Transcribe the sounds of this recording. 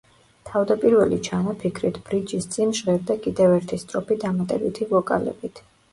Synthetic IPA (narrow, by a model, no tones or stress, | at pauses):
t̪ʰavd̪apʼiɾvɛlit͡ʃʰamɔpʰikʰɾit̪ʰb̥ɾid͡ʒist̪sʼinʃʁɛɾd̪akʼid̪ɛvɛɾt̪ʰist̪ʼɾɔpid̪amat̪ʼɛbit̪ʰivɔkʼa̰lɛ̰bit̪ʰ